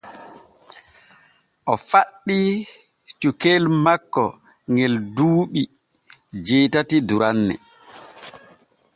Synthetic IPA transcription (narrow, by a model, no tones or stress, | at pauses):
ʔɔfaɗːi | t͡ʃukelmakːɔ | ŋɡɛlduːɓi | d͡ʒeːtatiduɾanːɛ̰